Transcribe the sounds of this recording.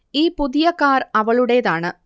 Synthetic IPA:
iːpʊðɪjɐkːaːɾɐʋɐɭɯɽeːðaːnɐ

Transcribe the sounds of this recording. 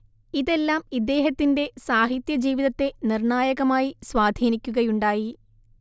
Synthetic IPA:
iðe̞lːaːmid̪e̞ːɦɐt̪ːinde̞saːɦit̪jɐd͡ʑiːʋiðɐt̪ːe̞nirɳaːjɐɣɐmaːjiswaːd̪ʱiːnikʲːuɣɐjuɳɖaːji

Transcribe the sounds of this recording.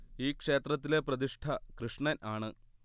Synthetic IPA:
iːkʂe̞ːt̪rɐt̪̬ːile̞prɐd̪iʂʈʰɐkrɨʂɳɐnʔaːɳɨ

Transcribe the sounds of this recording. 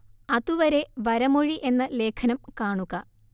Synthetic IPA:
ɐðuʋɐɾe̞ʋɐɾɐmoɻiʔe̞nːɐle̞ːkʰɐnɐmkaːɳuɣɐ

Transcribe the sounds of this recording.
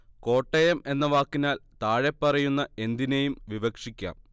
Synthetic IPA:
ko̞ːʈːejɐme̞nːɐʋaːkːinaːlt̪aːɻepːɐrɐjunːɐe̞nd̪inejumʋiʋɐkʂikʲːa̰ːm

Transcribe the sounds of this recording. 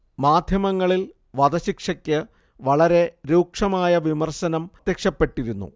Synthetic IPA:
maːd̪ʱjɐmɐŋːɐɭil | ʋɐd̪ɐɕikʂɐkʲːɨ | ʋɐɭɐɾe̞ɾuːkʂɐmaːjɐʋimɐrɕɐnɐmt̪jekʂɐpːe̞ʈːiɾunːṵ

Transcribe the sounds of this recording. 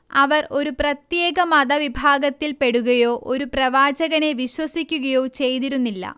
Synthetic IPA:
ɐʋɐro̞ɾuprɐt̪je̞ːɡɐmɐd̪ɐʋibʱaːɡɐt̪ːilpe̞ɽuɣɐjo̞ːʔo̞ɾuprɐʋaːd͡ʑɐɣɐne̞ʋiɕwɐsikʲːuɣɐjo̞ːt͡ɕe̞jt̪iɾunːilːɐ̰

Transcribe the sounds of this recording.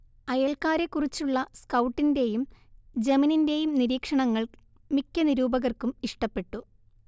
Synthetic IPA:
ɐjɐɭkaːɾe̞kːurit͡ɕːuɭːɐskɐwʈːinde̞jumd͡ʑɐmininde̞jumniɾiːkʂɐɳɐŋːɐɭ | mikʲːɐniɾuːbɐɣɐrkumiʂʈɐpːe̞ʈːu

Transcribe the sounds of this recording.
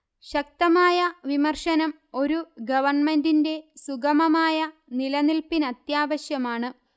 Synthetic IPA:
ɕɐk̚t̪ɐmaːjɐʋimɐrʂɐnɐm | o̞ɾuɡɐʋɐrɳme̞ndinde̞suɡɐmɐmaːjɐnilɐnilpinɐt̪jaːʋɐɕjɐmaːɳɨ

